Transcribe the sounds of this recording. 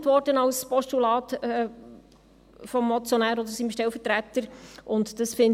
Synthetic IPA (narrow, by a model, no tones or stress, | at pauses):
tʋɔɾdənɑlspɔʃtulɑːtɛ | fɔmːɔt͡sjɔnæːɾɔd̪əɾsimʃtɛlfətɾæt̪əɾʔʊntd̥ɑsfɪn